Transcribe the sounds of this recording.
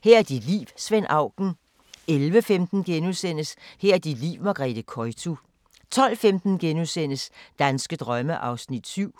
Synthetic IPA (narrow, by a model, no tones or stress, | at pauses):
hɛɐ̰æɐd̥id̥lḭːʋsʋen̰ɑ̈ʊ̰ɡ̥n̩ | elʋəfemd̥n̩ɡ̥enusen̰əshɛɐ̰ɐd̥id̥lḭʊmɑ̈ɡ̥ʁɛ̰d̥əkʰɒɪt͡sʰu | t͡sʰɒ̽l̰femd̥n̩ɡ̥enusen̰əsd̥ænsɡ̥əd̥ʁɶməʔɑ̈ʊsnid̥syʊ̰